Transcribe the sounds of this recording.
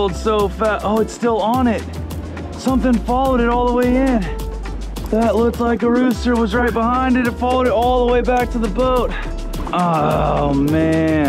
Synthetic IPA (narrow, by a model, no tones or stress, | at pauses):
lˠd̥soʊfæʔoʊɨtstɪlˠə̃ñɪt̚ | sʌ̃mθɪ̃ŋfɑlˠoʊɾɨɾɔlˠðəweɪɪ̃n | ðətˡlʊk̚tˡlaɪkəɹʉstə˞wʌzɹaɪt̚b̥əhãɪ̃ndɨɾɨtfɑlˠoʊɾɨɾɔlˠðəweɪbæk̚tʰɨðəboʊt̚ | ʔoʊmæ̃